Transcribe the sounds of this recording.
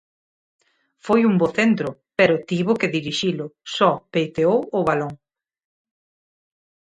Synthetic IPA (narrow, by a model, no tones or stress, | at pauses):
fojumboθent̪ɾʊpeɾʊt̪iβʊkeðiɾiʃilʊsɔpejt̪eowʊβaloŋ